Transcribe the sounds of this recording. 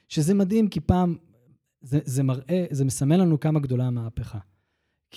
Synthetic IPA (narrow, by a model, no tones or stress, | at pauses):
ʃezemad̪himkipaːm | zezemaʁʔezemesame̞nlanukamaɡd̪o̞lamaːpeχa | k